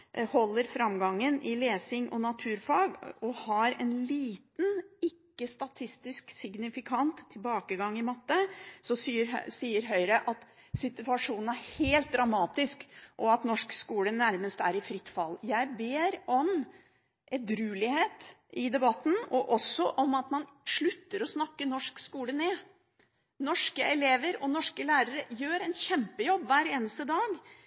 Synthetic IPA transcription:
hɔlːəɾfɾɑmɡɑŋːənʔɪleːsɪŋʔɔnɑt̪ʰʉːɾfɑːɡɔhɑɾɛ̰nliːt̪nɪkːəst̪ɑt̪ʰɪst̪ɪsksɪɡnɪfɪkʰɑnt̪ʰːɪlbɑːkəɡɑŋːɪmɑt̪ːəsɔsiːəɾsiːəɾɦœʏɾəʔɑt̪ | sɪt̪ʉɑʂuːnn̩æɾheːlt̪̚d̪ɾɑmɑːt̪ɪskʔɔɑt̪nɔʂkskuːlənæɾməst̪æ̰ɾɪfɾɪt̪ːfɑlːjæɪbeːɾɔm | ʔɛd̪ɾʉːlɪheːt̪ʔɪd̪ɛbɑt̪ːn̩ɔʔɔsːɔʔɔmɑt̪mɑnʂɭʉt̪ːəɾɔsnɑkːənɔʂkskuːləneː | nɔʂkəɛleːʋəɾɔnɔʂkəlæːɾəɾəjøːɾɛnçɛmpəjɔbːʋæːɾeːnəst̪əd̪ɑːɡ

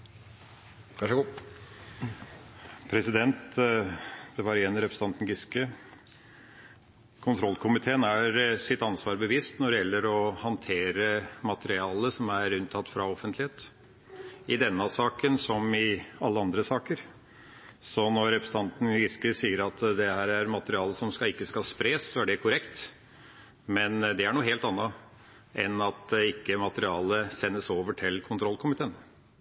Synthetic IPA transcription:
æʂɡu | pʰɾɛsɪd̪ɛnt̪ | d̪̥ɛʋɑɾɪɛnːɾɛpɾə̥st̪ɑnt̪nɡɪskə | kʰʊnt̪ʰɾɔlːkʰʊmɪt̪ʰeːənæɾsɪt̪ɑnsʋɑːɾbəʋiːst̪nɔɖ̪ɛjɛlːəɾɔhɑnt̪ʰeːɾəmɑt̪əɾɪɑːləsɔmæɾʉnt̪ʰɑt̪ːfɾɑɔfənt̪lɪheːt̪ | ɪd̪ɛnːɑsɑːkənsɔmɪɑlːəɑnd̪ɾəsɑːkəɾ | sɔnɔɾɾɛpɾəst̪ʰɑnt̪n̩ʋɪskəɾsiːəɾɑt̪d̪ɛhæːɾæɾmɑt̪əɾɪɑːləsɔmskɑɪkːəskɑspɾeːsːɔæɖɛkʰʊɾɛkt̪ | mɛnd̪ɛæɳuːɦeːlt̪ɑnːɑ | ʔɛnɑt̪ɪkːəmɑt̪əɾɪɑːləsɛnːəsoːʋəʈʰɪlkʰʊnt̪ʰɾɔlkʰʊmɪt̪ʰeːn

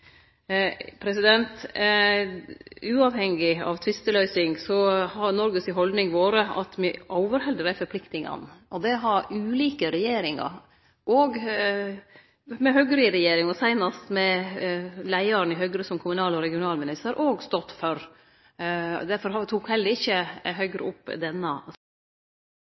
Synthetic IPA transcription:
pʰɾɛsɪd̪ɛnt̪ | ʉːɑʋhɛŋːɪɑ̰ʋt̪ʰʋɪst̪əlœʏsɪŋsɔhɑɾnɔɾɡəsɪɦɔld̪nɪŋʋoːɾəɑ̰t̪mɪʔɔʊʋəɾhɛld̪əɾæɾfɔɾpʰlɪkt̪ɪŋɑ̰nʔɔd̪ɛɦɑɾʉːliːkəɾɛjeːɾɪŋɑ̰ɾ | ʔoːɡ | mɛɦœɡɾɪɾɛjeːɾɪŋɔsæɪnɑst̪mɛ | læɪɑɾnɪɦœɡɾəsɔmkʰʊmʉnɑːlɔɾɛɡɪʊnɑːlmɪnɪst̪əɾʔoːɡst̪ɔt̪ːfœɾ | d̪æɾfɔɾhɑt̪ʰuːkhɛlːəɾɪçːəɦœʏɡɾə̰ʊpːd̪ɛnːə

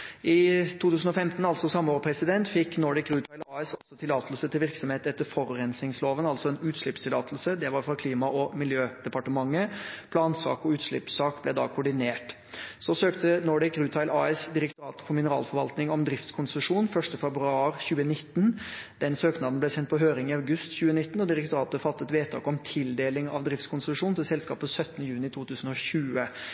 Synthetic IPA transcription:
ʔɪt̪ʰuːt̪ʰʉːsn̩ɔfɛmt̪n̩ɑlsɔsɑmːəoːɾpʰɾɛsɪd̪ɛnt̪fɪkːnɔɖɛkɾʉːt̪ʰɑɪlɑːɛsɔlsɔt̪ʰɪlɑːt̪əl̩sət̪ʰɪlʋɪɾksɔmheːt̪ɛt̪ːəɾfɔɾɾɛnsɪŋsloːʋənɑlt̪sɔɛːnʉːt̪ʂɭɪpst̪ʰɪlɑ̰ːt̪ʰəl̩səd̪ɛʋɑɾfɾɑkʰliːmɑʔɔmɪljøːd̪̥ɛpɑʈəmɑŋːəpʰlɑːnsɑ̰ːkɔʉːt̪ʂɭɪ̰psɑːkblɛd̪ɑ̰ːkʰʊɖɪneːʈ | sɔsøːkt̪ənɔɖɪkɾʉːt̪ʰɑɪlʔɑɛsd̪ɪɾɛkt̪ʊɾɑːt̪ə̥fɔɾmɪnəɾɑ̰ːlfɔɾʋɑlt̪nɪŋɔmd̪ɾɪft̪skʰʊnsəʂuːnfœʂʈəfɛbɾʉɑːɾçʉːənɪt̪ːnd̪ɛnsøːknɑd̪n̩b̪lɛsɛnt̪̚pʰɔɦøːɾɪŋɪɑʉɡʉst̪çʉːənɪt̪ːnɔd̪ɪɾɛk̚t̪ʊɾɑːt̪əfɑt̪ːət̪ʋeːt̪ʰɑ̰ːkɔmt̪ʰɪld̪eːlɪŋɑ̰ʋd̪ɾɪft̪skʰʊnsəʂuːnt̪ʰɪlsɛlskɑ̰ːpəsœt̪ːənəjʉːnɪt̪ʰuːt̪ʰʉːsən̩ɔçʉːə

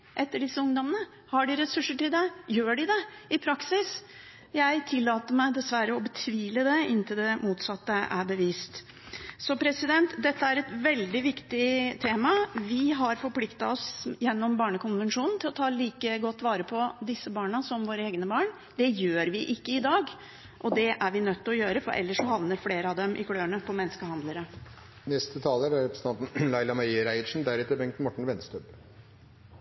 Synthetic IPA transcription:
ʔɛt̪ːəɖɪsːəʊŋd̪ɔmənə | hɑɖɪɾɛsʉʂːəʈɪld̪ɛjøːɖɪd̪ɛɪpʰɾɑksɪs | jæɪt̪ʰɪlːɑːt̪əmæɪd̪ɛsʋæɾəɔbət̪ʰʋiːləd̪ɛɪnt̪ʰɪld̪ɛmuːt̪sɑt̪ːəʔæ̰bəʋiːst̪ | sɔpʰɾɛsɪd̪ɛnt̪d̪ɛt̪ːəæɾɛt̪ʋɛld̪ɪʋɪkt̪ɪt̪ʰeːmɑʋɪɦɑɾfɔɾpʰlɪkt̪ɑ̰ɔsjɛnːɔmbɑːɳəkʰʊnʋɛnʂuːnn̩t̪ʰɪlɔt̪ʰɑːliːkəɡɔt̪ːʋɑːɾəpʰɔd̪ɪsːəbɑːɳɑsɔmʋoːɾəeːɡnəbɑːɳ | d̪̥ɛjøːɾʋɪʔɪkːəɪd̪ɑːɡ | ʔɔd̪ɛʔæɾʋɪnœt̪ːɔjøːɾəfɔɾʔɛ̰lːəʂɔhɑʋnəɾfleːɾəɑd̪ɛmʔɪ̰kʰɽøːəɳəpʰɔmɛnːəskəɦhɑnd̪ləɾə | nɛst̪ət̪ʰɑːləɾæɾɛpɾəsə̥t̪ʰɑnt̪n̩lɑɪlɑmɑəɾæɪʂn̩d̪æɾɛt̪ːəbɛŋkt̪nmɔʈɳ̩ʋɛnst̪øːb

